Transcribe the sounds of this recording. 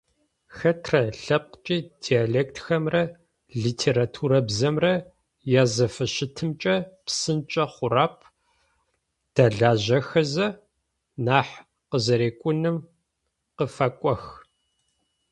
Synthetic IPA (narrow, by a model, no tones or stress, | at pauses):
xɐtʰrɐɬɐp̚qt͡ʃʼiːd̥ialeːktʰxɐmrɐ | ɮiːtʰeːɾatʰuːɾɐbzɐmrɐ | jaːzɐfɨʃɪtʰɨmt͡ʃʼɐpsɨnt͡ʃʼɐχʷʊraːpʰ | d̥aɮaːʑɐxɐzɐ | naːħ | qəzɐɾeːkʷʼʊnɨm | qəfɐkʷʼɔx